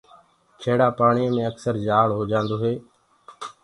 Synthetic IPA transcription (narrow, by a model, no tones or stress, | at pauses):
t͡ʃʰeːɽaːpaːɳiːmẽːəksəɾd͡ʒaːɭɦoːd͡ʒãːnd̪oːɦeː